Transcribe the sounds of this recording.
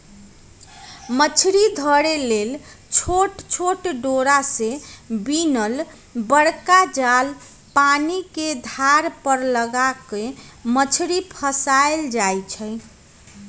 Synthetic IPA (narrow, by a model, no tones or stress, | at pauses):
mət͡ʃʰɾid̪ʱəɾelel | t͡ʃʰoʈt͡ʃʰoʈɖoɾasebinəl | bəɽkad͡ʒal | paniked̪ʱaɾpəɾləɡakemət͡ʃʰɾipʰəsaeld͡ʒajt͡ʃʰəj